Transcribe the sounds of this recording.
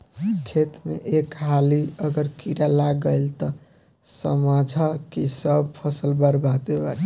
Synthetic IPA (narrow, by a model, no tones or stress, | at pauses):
kʰet̪mḛʔekɦaliəɡəɾkiɾalaɡəjlt̪ɔ | səmad͡ʒʱakisəb̚pʰəsəlbəɾbʱat̪eba̰